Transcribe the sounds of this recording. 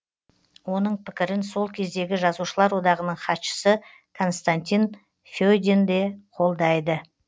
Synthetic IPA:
wo̞nəɴpʰɪ̥kʲɪɾɪnso̞lˠkʲʰe̞zd̪e̞ɡʲɪʒɑzuʃəlˠɑɾwo̞d̪ɑʁənəɴχɑt̪ʃə̥sə | kʰo̞nst̪anʲt̪ʲin | fʲojd̪ʲend̪e̞qʰo̞lˠd̪ɑjd̪ə

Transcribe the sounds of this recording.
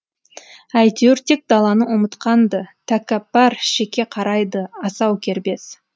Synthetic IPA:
æjt̪eɾt̪ek̚d̪ɑlˠɑnəwomət̪qɑnd̪ət̪ʰækap̚bɑɾʃekʲːe̞qʰɑɾɑjd̪əɑsɑwkʲʰe̞ɾbe̞s

